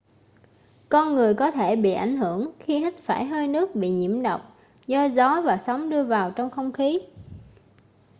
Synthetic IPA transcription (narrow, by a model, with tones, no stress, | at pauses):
kɔ˧nŋɨ˨˩əjkɔ˨˦t̪ʰe˧˩ɓḭ˧˨ʔa˧˩jŋ̟ɦɨ˧˩˨əŋxi˧hi˦˥t̟̚faː˧˩jɦəː˧jnɨ˦˥ək̚ɓḭ˧˨ɲḭ˧˩əmɗə˨˩wk͡p̚ | zɔ˧zɔ˨˦vaː˨˩sa˨˦wŋ͡mɗɨ˧əvaː˨˩wt͡ɕɔ˧wŋ͡mxə˧wŋ͡mxi˨˦